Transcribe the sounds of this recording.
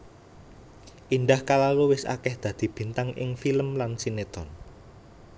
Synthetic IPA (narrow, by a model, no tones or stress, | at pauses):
ʔinɖahkalaluwɪsa̰kɛhd̪̥ä̤d̪̥i̤b̥i̤nt̪aŋʔɪ̰ŋfiləmlansinet̪ɔn